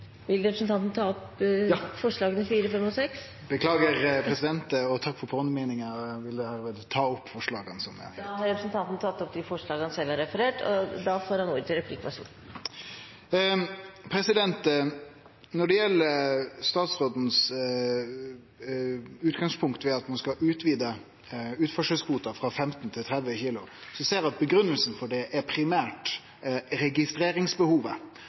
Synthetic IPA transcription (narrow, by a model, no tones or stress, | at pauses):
ʋɪlɾɛpɾəsn̩t̪ʰɑnt̪nət̪ʰɑːɔpː | fɔʂɭɑːɡənɪfiːɾəfɛmɔsɛks | bəkʰlɑːɡəʁpʰɾɛsɪd̪ɛnt̪əɔt̪ʰɑkːfɔɾpʰoːnəmeːnɪŋəʋɪld̪ɛhæːɾʋeːd̪t̪ʰɑːɔpːfɔʂɭɑːɡənsɔm̰d̪hɑɾɛpɾəsnt̪ɑnt̪nət̪ʰɑt̪ːɔp̚d̪ɪfɔʂɭɑːɡɑnəsɛlːɑɾɛfəɾeːʈɔ̰d̪ɑfoːɾhɑnuːɾt̪əɾɛpʰlɪkɑʂṵːn | pʰɾɛsɪd̪ɛnt̪ | nɔɖɛjɛlːəɾst̪ɑːt̪sʁoːd̪n̩s | ʉːt̪ɡɑŋspʰʊŋkt̪ʋɛɑt̪mɑnskɑʔʉːt̪ʰʋiːd̪ə | ʉːt̪fɔʂəskʰuːt̪ɑfʁɑfɛmt̪nt̪ʰɪlt̪ʰɾɛd̪ʋəçiːlʊsɔseːɾɑt̪̚bəɡɾʉnːəlsn̩fɔɖɛʔɛpʰɾɪmæːʈ | ɾɛɡɪst̪ɾeːɾɪŋsbəhuːʋə